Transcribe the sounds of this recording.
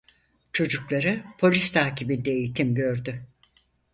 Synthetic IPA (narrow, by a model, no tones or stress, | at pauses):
t͡ʃʰo̞d͡ʒuklˠaɾɯpʰo̞lʲist̪ʰaːcibind̪ɛejit̪ʰimɟø̞ɾd̪y